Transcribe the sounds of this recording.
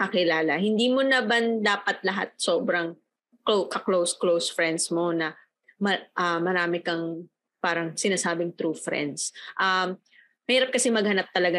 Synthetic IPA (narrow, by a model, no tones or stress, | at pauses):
kɐkɪlaːlɐhɪnd̪iːmonɐbɐnd̪aːpɐt̪̚lɐɦa̰t̪̚soːbɾɐŋ | klokɐklowsklowsfɹɛnd̪smo̞nɐ | mɐʔɐmɐɾaːmɪkɐŋ | paːɾɐŋsɪnaːsaːbɪŋt̪ɾuːfɾɛ̰nd̪sʔɐm | mɐhiːɾɐp̚kɐsɛmɐɡhɐnap̚t̪ɐlɐɡa